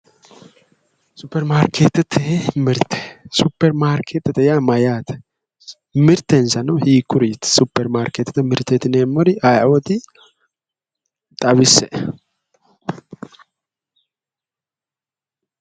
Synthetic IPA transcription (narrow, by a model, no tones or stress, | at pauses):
supːɛɾmaːɾkʰeːt̪t̪ʰemɨɾt̪ʰe̥supːɛɾmaːɾkʰet̪ːɨt̪ɛjamɐjaːt̪ʰ | mɨɾt̪ʰːensɐnɐwhiːkːʊɾjɪt̪supːɛɾmaːɾket̪t̪mɨɾt̪ːet̪ɪnemɔɾiʔajɐwɔt̪i | t̪ʼɐβɪsɛʔ